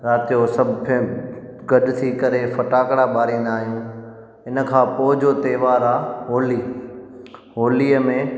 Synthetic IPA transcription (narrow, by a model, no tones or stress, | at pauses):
ɾaːt̪ijosɐbʱpʰ | ɡɐɗʊt̪ʰikɐɾefɐʈaːkɽaɓaːɾĩːn̆d̪aːɦijũː | ɪnə̆kʰãːpoːɦɪd͡ʑot̪eːʋaːɾaɦoːliː | ɦoːliːəmẽ